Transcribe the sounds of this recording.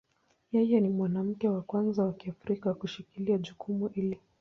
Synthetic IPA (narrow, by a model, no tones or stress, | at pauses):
jɛjɛnimwanam̩kɛwakwanzawakiafɾikakuʃikiliaʄukʰumuʔili